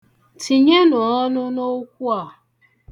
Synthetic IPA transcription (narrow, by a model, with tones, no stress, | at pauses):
ti˨ɲe˦nɔ˨ɔ˦nʊ˦no˦kʷu˦a˨